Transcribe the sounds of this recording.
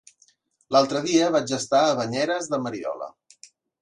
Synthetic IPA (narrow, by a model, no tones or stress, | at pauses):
lalˠt̪ɾəðiəβad͡ʒəst̪aəβəɲɛɾəzðəməɾiɔ̰lə̰